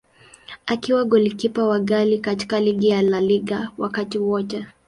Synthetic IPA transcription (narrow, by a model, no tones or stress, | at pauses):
akiwaɡɔlikipawaɡalikati̥kaliɡijalaliɠawakatiwɔt͡ʃa